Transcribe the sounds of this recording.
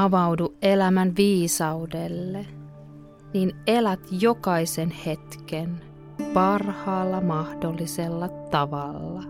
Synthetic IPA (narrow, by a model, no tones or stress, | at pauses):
ɑʋɑwduʔelæmænʋiːsɑudelːe | ninelæt̪jokɑisenhe̞t̪ken | pɑrhɑːlːɑmɑhdolːiselːɑt̪ɑʋɑlːɑ